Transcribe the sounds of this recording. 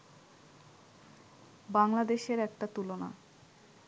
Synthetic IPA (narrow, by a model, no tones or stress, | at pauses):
baŋlad̪eʃeɾɛk̚ʈat̪ulona̰